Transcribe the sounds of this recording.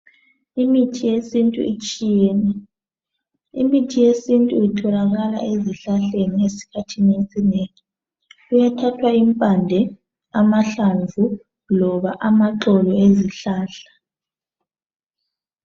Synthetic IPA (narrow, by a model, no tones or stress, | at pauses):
imitʰijesintʼṵit͡ʃʼijɛːnɛ | ḭmitʰijesintʼuitʰɔlaɣala̰eziɬaɬeniŋesi̥kʰatʰinesineŋi | ujatʰatʰwaimpʼandʱɛ | amaɬaɱvʱu | lɔβaʔamaǁɔlɔeziɬaːɬḁ